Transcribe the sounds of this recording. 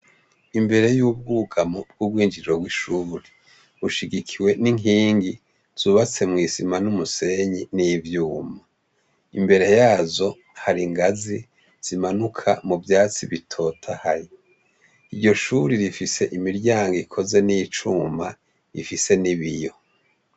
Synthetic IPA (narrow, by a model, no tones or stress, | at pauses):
imbe̞ɾe̞juːb̚ɡuːɡamob̚ɡ̥ub̚ɡwiːnd͡ʒiɾɾoɡwiʃuːɾe | uʃiɡikʰiwe̞niŋiːŋɡi | z̥uːβat͡se̞mŋiːsimanumuse̞ɲinivjuːma | imbe̞ɾe̞jaːzo̞ | haɾiŋɡazi | z̥imanukʰa̰muvjaːt͡siβitʰo̞ːtʰahaɾi | iɾɟo̞ʃuɾiɾifise̞ʔimiɾɟaːŋɡikʰo̞ze̞nit͡ʃuma | ḭfise̞niβijo̞